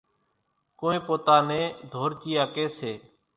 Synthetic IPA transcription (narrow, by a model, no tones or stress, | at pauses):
koːẽːpoːt̪aːnẽːd̪ʱoːɾt͡ʃiːaːkeːseː